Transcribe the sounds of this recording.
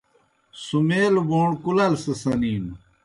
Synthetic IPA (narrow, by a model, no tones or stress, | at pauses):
sumeːlboːɳkulɐlsɐsɐniːm